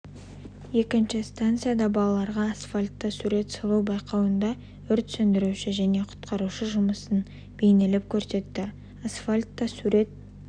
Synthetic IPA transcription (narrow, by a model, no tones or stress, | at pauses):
je̞kʲɪnʃɪst̪ant̪sɨjad̪ɑbɑlˠɑlˠɑɾʁɑːsfalʲt̪ːɑsuɾe̞t̪səlˠuwbɑjqɑwənd̪ɑ | ʏɾt̪sɵnd̪ɪɾuʃɪʒæne̞qʰʊ̥t̪qʰɑɾuʃəʒʊməsən | b̥e̞jnɪlɪp̚kʲʰɵɾse̞t̪ːɪ | asfalʲt̪ːɑsuɾe̞t̪̚